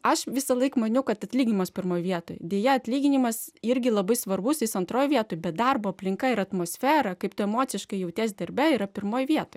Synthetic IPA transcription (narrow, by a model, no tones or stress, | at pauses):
ɐʃʋʲɪsɐlˠɐɪkmɐnʲɛʊkɐt̪ɐt̪ʲlʲiːɡʲɪnʲɪmɐspʲɪrmoːjʋʲiɛt̪o̰ːjd̪ʲeːjɛɐt̪ʲlʲiːɡʲɪnʲɪmɐsɪɾʲɡʲɪlˠɐbɐɪsʋɐrbʊsɪsɐnt̪ɾoːjʋʲiɛt̪oːjbʲɛt̪̚d̪ɐrboːɐpʲlʲɪŋkɐɪɾɐt̪moːsʲfʲæːɾɐkɐɪpt̪ʊɛmoːt͡ssʲɪʃkɐɪjɛʊt̪ʲeːs̬ʲd̪ʲɐɾʲbʲɛɪɾɐpʲɪɾmoːjʋʲiɛt̪oːj